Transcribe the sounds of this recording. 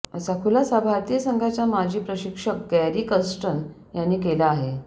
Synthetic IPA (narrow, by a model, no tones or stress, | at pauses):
əsakʰulasabʱaɾt̪ijəsəŋɡʱat͡ɕamad͡ʑʱiːpɾəɕikʂək̚ɡɛɾiːkəsʈən | janːiːkelaːɦe